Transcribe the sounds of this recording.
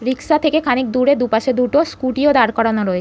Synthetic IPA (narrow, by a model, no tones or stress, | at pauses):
ɾiksat̪ʰekekʰanik̚d̪uɾed̪upaʃed̪uʈoskuʈiod̪aɾkɔɽanoɾɔe